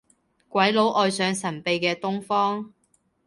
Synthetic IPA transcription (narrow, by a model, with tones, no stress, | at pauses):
kʷɐ˨˥jlo˨˥wʔɔː˨jsœː˨˧ŋsɐ˨˩npe˨jkɛː˧t̪ʊ˥ŋfɔː˥ŋ